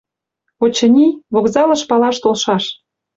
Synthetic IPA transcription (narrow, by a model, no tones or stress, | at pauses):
ot͡ɕə̆nʲiβokzɑlɤ̆ʃpɑlɑʃt̪olʃɑʃ